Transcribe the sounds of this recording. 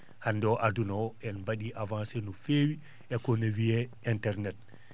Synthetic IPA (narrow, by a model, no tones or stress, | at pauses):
handɔʔadunɔɛnbaɗiʔavãnsenufewi | ɛkɔnawijɛ | ɛntɛɾnɛt̚